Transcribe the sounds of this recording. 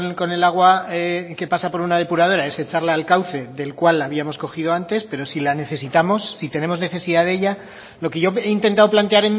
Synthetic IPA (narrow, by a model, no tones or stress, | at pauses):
ko̞ne̞laɣ̞waeke̞pasapo̞ɾunaðe̞puɾað̞o̞ɾae̞se̞t͡ʃaɾlaːlkawθe̞ðe̞lkwalːaβ̞iamo̞sko̞xið̞o̞ant̪e̞spe̞ɾo̞silane̞θe̞sit̪amo̞sːit̪ene̞mo̞zne̞θe̞siðaðeʝa | lo̞keʝo̞e̞int̪e̞nt̪aðoplant̪e̞aɾe̞n